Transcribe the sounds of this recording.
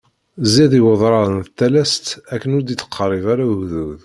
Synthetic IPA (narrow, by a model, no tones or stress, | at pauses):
ziðiwəðˤɾˤɑðənθt̪ːælæst̪ækːənʊɾd̪iθə̥qʰːərˤivaɾaɣðuð